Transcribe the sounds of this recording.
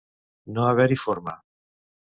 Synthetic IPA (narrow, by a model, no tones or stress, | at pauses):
noaβeɾifoɾma̰